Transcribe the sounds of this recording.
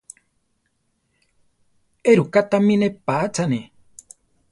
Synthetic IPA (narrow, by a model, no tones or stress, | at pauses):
eɾukat̪amĩnepat͡sʰane